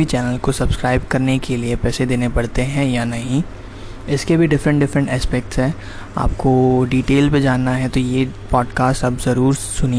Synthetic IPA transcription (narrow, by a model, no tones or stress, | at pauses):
it͡ʃɛːnəlkosɐbskɾaːɪb̚kɐɾnekeliepɛːsed̪eːnepɐɽt̪eɦɛ̃janɐɦĩ | ɪskebʱiɖɪfɾə̃ɳʈɖɪfɾə̃ɳʈɛːspɛk̚ʈsɦɛ̃ː | a̰ːp̚koɖiːʈeːlped͡ʒaːnːaɦɛt̪ojepɔːɖkaːsʈɐbzɐɾuːɾsʊni